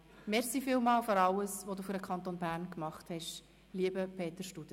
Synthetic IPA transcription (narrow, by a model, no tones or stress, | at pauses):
mɛɾsifiːlmɑːlføɾɑləsʋod̪uːfyɾdəkʰχɑnt̪onbæːɾnkmɑχthɛʃ | liəbəpʰeːt̪əɾʃtud̥ə